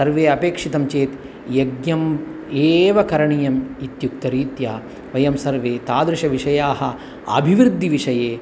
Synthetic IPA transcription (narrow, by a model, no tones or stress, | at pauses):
sɐɾʋeːɐpeːkʂit̪ɐmt͡ʃeːt̪ | jɐɡjɐmeːʋɐkɐɾɐɳijɐmit̪juk̚t̪ɐɾiːt̪jaː | ʋɐjɐmsɐɾʋeːt̪aːd̪ɾɪʃɐʋiʂɐjaːɦɐ | ɐ̰bʱiʋɾɨd̪ʱːiʋiʂɐjeː